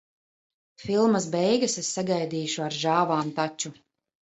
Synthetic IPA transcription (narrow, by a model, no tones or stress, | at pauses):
filˠmɐs̬bɛjɡasesːaɡajd̪iːʃuaɾʒaːvaːmt̪at͡ʃu